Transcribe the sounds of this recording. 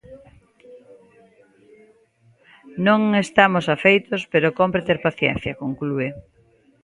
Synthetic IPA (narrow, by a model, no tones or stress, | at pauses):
nõŋest̪amosafejt̪ospeɾokompɾet̪eɾpaθjɛ̰nθjɐkoŋklue